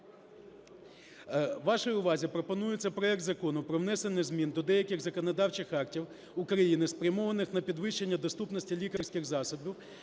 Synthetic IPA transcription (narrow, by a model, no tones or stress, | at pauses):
ʋɑʃɔjʊʋɑzʲipɾɔpɔnujet͡sʲːɐpɾɔɛk̚t̪zɐkɔnʊpɾɔwnɛsenɪzmʲind̪ɔd̪ɛjɐkʲɪxzɐkɔnɔd̪ɑwt͡ʃɪxɑktʲiw | ʊkɾɐjinɪspɾʲɐmɔʋɐnɪxnɐpʲid̪ʋɪʃːenʲːɐd̪ɔst̪upnɔsʲtʲilʲikɐrsʲkɪxzɑsɔbʲiw